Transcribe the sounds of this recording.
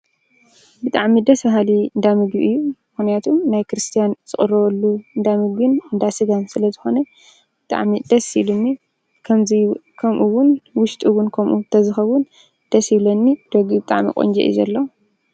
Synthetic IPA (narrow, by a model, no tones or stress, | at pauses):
bɨt̪ʼaʕmid̪ɐsbɐɦaliɨnd̪amɨɡbiʔɨjːumɨxnijat̪ʰumnajkɾɨst̪ʰijanz̥ɨxʼɨrɐwlːuɨnd̪amɨɡbɨnɨnd̪asɨɡansɨlɐzɨxo̞nɐ | b̥ɨt̪ʼa̰ʕmid̪ɐsilunːi | kʰɐmzikʰɐmʔuwʊnwʊʃt̪ʼuwʊnkʰɐmʔut̪ʰɐzɨxɐβʊn | d̪̥ɐsjiβlɐnːid̪̥oɡibɨt̪ʼa̰ʕmḭkʼo̰nd͡ʒɛ̰ʔḭzɐlːɐ